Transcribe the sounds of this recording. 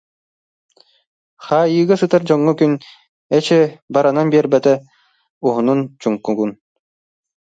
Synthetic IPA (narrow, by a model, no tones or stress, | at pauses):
χaːjɯːɡasɯt̪aɾd͡ʑɔŋːɔkyn | ɛt͡ɕɛbaɾananbiɛɾbɛt̪ɛ | uɦununt͡ɕuŋkuɡun